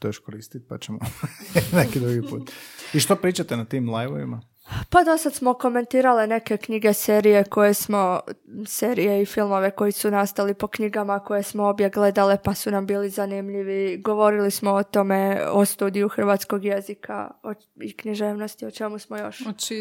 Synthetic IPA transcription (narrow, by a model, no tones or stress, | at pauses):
t̪oʃkoɾiːst̪it̪̚pa̰t͡ɕemonekid̪ɾuɡipṵːt̪iʃt̪opɾiːt͡ʃat̪enat̪iːmlˠajʋoʋḭma | pad̪o̞sad̪smo̞ko̞me̞nt̪iːɾaline̞ke̞kɲiɡe̞seːɾije̞ko̞je̞smo̞seːɾije̞ifilˠmo̞ʋe̞ko̞jisunast̪alipo̞kɲiɡamako̞je̞smoo̞bje̞ɡle̞d̪alepasunambiːlizanimʎiʋiɡo̞ʋo̞ɾilismoot̪o̞me̞ost̪uːd̪ijuxr̩ʋaːt̪sko̞ɡje̞zika̰o | ikɲiʒeːʋno̞st̪iot͡ʃe̞musmojo̰ʃ